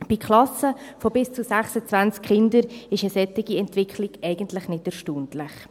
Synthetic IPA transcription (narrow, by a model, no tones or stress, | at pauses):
b̥ikχlɑsəfɔbɪst͡susæχsət͡sʋænt͡skχɪndəɾɪʃəsɛtːɪɡiɛntvɪkχlɪɡ̥ɛɪɡəntlɪχnɪtɛɾʃtuːntlɪχ